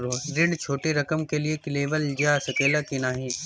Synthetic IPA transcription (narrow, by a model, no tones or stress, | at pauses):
ɾoːɡɾɪɳɖt͡ʃʰoːʈeɾɐkəmkeliekleːʋəld͡ʒjasɐkeːlakinaːɦiː